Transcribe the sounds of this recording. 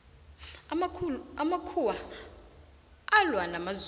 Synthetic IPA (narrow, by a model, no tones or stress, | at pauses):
amakʰuwa | alwanamaz